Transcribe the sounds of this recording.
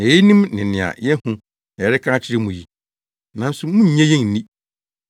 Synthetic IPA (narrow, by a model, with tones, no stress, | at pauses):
ɛ˨ji˦nĩ˦mnɪ̃˨nɪ̃˨a̰˨jɛ˦hũ˦˨ | ɛ˨ɾɪ˦kʰã˦t͡ɕʰɪ˦ɾɪ˦mũ˨ji˨ | nã˨˦n˦sʊ˨mʊ̃˦ɲ̩˨ɲɛ̃˦jɛ̃˦˨n̩˨nĩ˦